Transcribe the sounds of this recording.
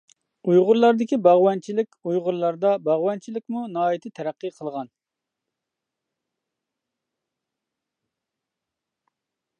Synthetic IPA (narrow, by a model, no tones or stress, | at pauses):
ujʁʊɾlˠɑɾd̪ɪkʲibɑʁwɑnt͡ʃʰilɪkʲujʁʊɾlˠɑɾd̪ɑbɑʁwɛnt͡ʃʰilɪkʲmunɑːit̪ʰɪt̪ʰɛɾæqːɨqʰəlˠʁɑn